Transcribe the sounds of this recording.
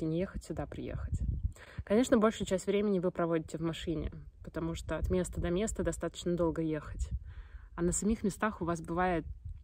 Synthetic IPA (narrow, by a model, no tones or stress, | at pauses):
ɪnʲɪjexətʲsʲʊd̪apɾʲɪ̰jḛxətʲ | kɐnʲe̞ʂnəbo̞lʲʂʊt͡ɕæsʲtʲvɾʲemʲɪnʲɪvɨpɾɐvo̞dʲɪtʲɪvmɐʂɨnʲɪ̰pət̪ɐmuʂt̪oɐt̪mʲe̞st̪əd̪ɐmʲe̞st̪əd̪ɐst̪at̪ə̥t͡ɕnəd̪o̞lˠɡəje̞xətʲɐnəsɐmʲixmʲɪst̪axʊvas̬bɨvajɪt̪̚